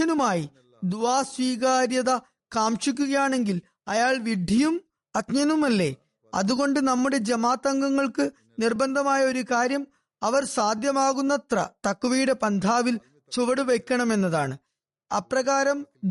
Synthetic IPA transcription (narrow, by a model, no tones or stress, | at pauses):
ɐnumaːji | d̪uʋaːsʋiːɣaːɾjɐðɐ | kaːmʂik̬ʲːuɣɐjaːɳe̞ŋɡil | ɐjaːɭʋiɖʱijum | ɐt̪ɲɐnumɐlːe̞̰ː | ɐ̰ðuɣo̞ɳɖɨnɐmːuɽe̞d͡ʑɐmaːt̪ɐŋɡɐŋːɐɭkɨ | nirbɐnd̪ʱɐmaːjɐo̞ɾukaːɾjɐm | ɐʋɐɾsaːd̪jɐmaːɣunːɐt̪rɐ̰t̪ɐkːuʋijuɽe̞pɐnd̪ʱaːʋil | t͡ɕuʋɐɽuʋekʲːɐɳɐme̞nːɐðaːɳɨ | ɐ̰prɐɣaːɾɐm